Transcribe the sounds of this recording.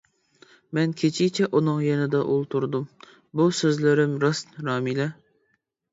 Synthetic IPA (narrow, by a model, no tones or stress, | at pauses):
mɛnkʲʰet͡ʃʰit͡ʃʰɛʔunɨŋjɛnɪd̪ɑʔulˠt̪ʰuɾd̪um | busøzlɪɾɪmɾɑsnɾɑːmilɛ